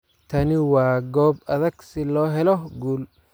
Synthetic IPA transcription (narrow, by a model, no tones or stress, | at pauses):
t̪ʰɐnɪwɑːɡɔːbɐðɐɡsɪlɔːɦɛlɔɡuːl